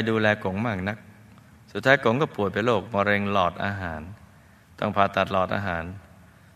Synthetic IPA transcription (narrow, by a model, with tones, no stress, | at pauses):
jduː˧lɛː˧ko˨˩˦ŋmaː˥˩k̚na˦˥k̚ | su˨˩t̪ʰːaː˦˥jko˩˦ŋkɔː˥˩pu˨˩əjpa˧jloː˥˩k̚mɔː˧ɾe˧ŋlɔː˨˩t̪̚ʔa̰ː˧ɦaː˩˦n | t̪ɔ̰˥˩ŋpʰaː˧t̪a˨˩t̪̚lɔː˨˩t̪̚ʔa̰ː˧ɦaː˩˦n